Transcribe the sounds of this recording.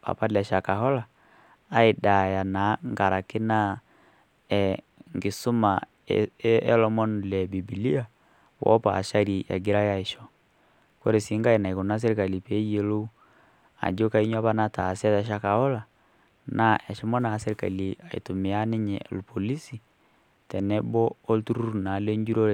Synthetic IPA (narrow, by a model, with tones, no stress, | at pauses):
a̰˨pa˦lɛ˨ʃa˨ka˨hɔ˦laː˨˦ | i˨da˨ja˨na˨˦ŋɡa˨ɾa˨kɪ˦na˦ | ɛŋɡi˨su˦ma˨ | ɛ˦lɔ˦mɔ˦n˨lɛ˨bi˨bi˨li˦a˦ | wʔɔ̰˦pa̰˨ʃa˦ɾi˨ja̰˨ɡi˦ɾa˦ja˦i˨ʃɔ˨ | ko˦ɾe˨si˨˦ŋɡa˦i˨na˨i˨ku˨na˦s̬e˦ɾka˨li˨pe˨˦je˨˦lo˦u˦ | a̰˨d͡ʒo˦ka˦i˦ɲ˦a˦βa˦na˦ta˨sɛ˦ta˨ʃ̬a˦ka˨ɔ˦la˨ | na˦ʔɛ˨ʃɛ˦mɔ˦na˨˦se˦ɾka̰˨li˨a̰˨ḭ˨tu˨mɪ˨a˦nɪ˦ɲɛ̰˨lpo˨li˦si˨ | tɛ˨nɛ˦bɔ˦o˦ltu˦ɾu˦ɾna˨˦le˦ɲd͡ʒu˦ɾo˦